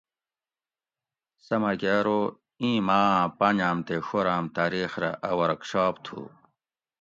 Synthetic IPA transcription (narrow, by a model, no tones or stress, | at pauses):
sɐmɐkeːɾo | ĩːmãːpand͡ʑaːmt̪exoɾaːmt̪aːɾiːxɾa̰ʔɐwɐɾɐkɕaːpt̪ʰṵː